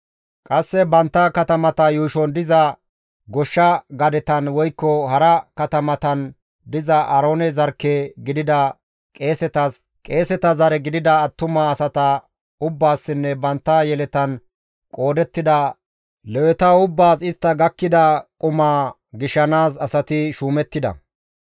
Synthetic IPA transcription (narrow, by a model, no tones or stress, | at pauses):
kʼɐsːɛbɐnt̪ːɐkɐt̪ɐmɐt̪ɐjuːʃɔnd̪ɪzɐ | ɡɔʃːɐɡɐd̪ɛt̪ɐnwɔjkːɔɦɐɾɐkɐt̪ɐmɐt̪ɐn | d̪ɪzɐʔɐɾoːnɛzɐɾkːeɡɪd̪ɪd̪ɐ | kʼe̞ːsɛt̪ɐs | kʼe̞ːsɛt̪ɐzɐɾɛɡɪd̪ɪd̪ɐːt̪ːʊmaːsɐt̪ɐ | ʊbːaːsːɪnːɛbɐnt̪ːajɛlɛt̪ɐn | kʼo̞ːd̪ɛt̪ːɪd̪ɐ | lɛwɛt̪ɐʊbːaːsɪst̪ːɐɡɐkːɪd̪ɐkʼʊmaː | ɡɪʃːɐnaːsɐsɐt̪ɪʃuːmɛt̪ːɪd̪ɐ̰